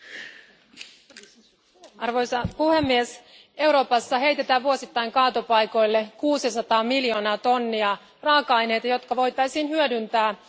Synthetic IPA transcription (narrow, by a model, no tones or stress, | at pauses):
ɑrʋo̞jsɑpuhe̞mːies | e̞wɾo̞ːpɑsːɑɦe̞jt̪e̞t̪æʋuo̞sit̪ːɑjŋkɑːt̪opɑjko̞jlːe̞kuːsisɑt̪ɑːmiljo̞ːnɑːt̪o̞nːiɑ | rɑːkɑɑjne̞jt̪ɑjo̞t̪kɑʋo̞jt̪ɑjsiːnɦyødynt̪æː